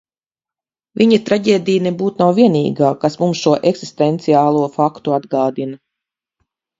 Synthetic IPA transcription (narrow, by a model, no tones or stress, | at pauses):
viɲat̪ɾaɟʲeːd̪ijnebuːt̪nawvʲiɛnḭːɡaːkasmumsʃuɔʔeksist̪ɛnt̪siaːlˠuɔfakt̪uad̪ɡaːd̪inɐ